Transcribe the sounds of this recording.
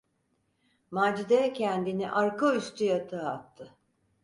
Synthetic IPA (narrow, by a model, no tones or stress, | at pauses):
maːd͡ʒid̪ecʰɛnd̪iniʔaɾkoyst̪ʰyjat̪ʰɯat̪ʰːɯ